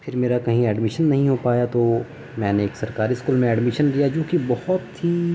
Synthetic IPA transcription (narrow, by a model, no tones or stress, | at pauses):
pʰɪɾmeːɾakɐɦĩɛːɖmɪʃənːɐɦĩɦopaːjat̪o | mɛ̃ːneeːksɐɾkaːɾiskuːlmẽɛːɖmɪʃənlijad͡ʒõːkibɔhɔt̪ːi